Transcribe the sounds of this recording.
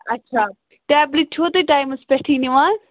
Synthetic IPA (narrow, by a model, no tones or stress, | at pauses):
ɐtːʃʰaː | ʈɛːblit͡ʃʰoːt̪eʈaːjmɐspɛʈʰiːniʋãː